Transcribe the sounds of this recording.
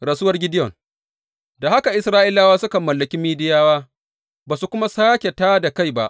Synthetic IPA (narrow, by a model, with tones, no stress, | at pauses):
ɽa˨sʊ˦wɐ˦rɡʲɪ˦dɪ˦jɔ˨ŋ | da˨ɦa˦ka˨ʔɪ˦sɾaː˦ʔɪ˦laː˦waː˦sʊ˦kɐ˨mːɐ˨lːɐ˨kʲi˦miː˦dɪ˦jaː˦waː˦ | baː˨su˨kʷʊ˦ma˦saː˦kʲe˨taː˦da˨ka˦jba̰˦ʔ